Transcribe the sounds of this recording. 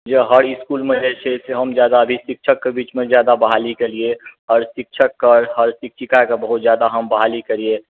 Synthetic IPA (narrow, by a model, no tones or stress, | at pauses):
d͡ʒəɦəɾɪskulmed͡ʒet͡ʃʰeseɦəmd͡ʒjaːd̪aəbʱisik̚t͡ʃʰəkːebiːt͡ʃmẽzjaːd̪abəɦalikelieɔːɾsɪk̚t͡ʃʰəkːɔːɾɦəɾsɪk̚t͡ʃʰikakebəɦut̪zjaːd̪aɦəmbəɦalikəɾie